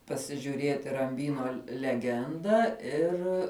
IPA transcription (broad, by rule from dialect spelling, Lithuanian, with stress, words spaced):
pɐsʲɪʒʲʊˈrʲeːtʲɪ rɐmʲˈbʲiːnoː lʲɛˈɡʲɛndɑː ˈɪr